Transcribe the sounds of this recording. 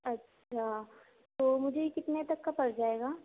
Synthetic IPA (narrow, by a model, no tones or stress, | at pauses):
ɐtːʃʃʰa | t̪oːmʊd͡ʒʱekɪt̪net̪ɐkːapɐɾd͡ʒaːeːɡaː